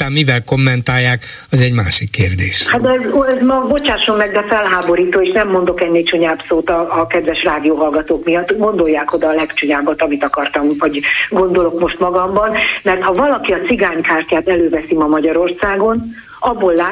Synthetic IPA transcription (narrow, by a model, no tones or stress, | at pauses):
amivɛlko̞mːɛnt̪aːjːaːk | ɒzɛɟmaːʃikːeːrd̪eːʃhat̪zɛzmɒbo̞t͡ʃaːʃomːɛɡ̚d̪ɛfɛlɦaːbo̞ɾiːt̪oːeːʃnɛmːo̞nd̪o̞kɛnːit͡ʃuɲaːbsoːt̪ɒːkɛd̪vɛʃraːd̪ijoːɦɒlɡɒt̪oːkmijɒt̪ːɡo̞nd̪o̞jːaːko̞d̪ɒːlɛkt͡ʃuɲaːbɒt̪ɒmit̪ɒkɒrt̪ɒmvɒɟɡo̞nd̪o̞lo̞kmo̞ʃt̪mɒɡɒmbɒnmɛrt̪hɒvɒlɒkiɒt̪t͡ssiɡaːɲkaːrcaːt̪ɛløːvɛsimɒmɒɟɒɾo̞rsaːɡo̞n | ɒbːo̞lːa